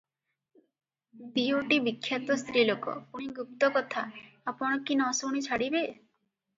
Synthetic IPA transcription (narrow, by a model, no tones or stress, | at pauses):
d̪ioʈibikʰːjat̪ɔst̪ɾilokɔ̰puɽ̃iɡup̚t̪ɔkɔt̪ʰaːpɔɽ̃ɔkinɔsoɽ̃it͡ʃʰaɽibe